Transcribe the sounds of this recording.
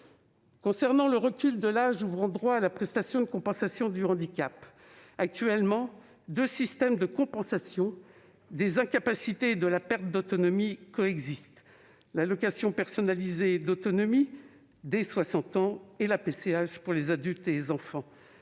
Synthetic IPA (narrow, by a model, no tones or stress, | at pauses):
kɔ̃sɛʁnɑ̃ləʁəkʲyld̪əlaʒuvʁɑ̃d̪ʁwaːlapχɛst̪asjɔ̃d̪əkɔ̃pɑ̃sasjɔ̃d̪yɑ̃d̪ikʲap | ak̚t̪ɥɛlmɑ̃ | d̪øsist̪ɛmd̪əkɔ̃pɑ̃sasjɔ̃ | d̪ezɛ̃kapasit̪ed̪əlapɛʁt̪̚d̪ot̪ɔnɔmikɔɛɡzist̪ | lalɔkasjɔ̃pɛʁsɔnalized̪ot̪ɔnɔmi | d̪eswasɑ̃t̪ɑ̃elapeseaʃpuʁlezad̪ylt̪elezɑ̃fɑ̃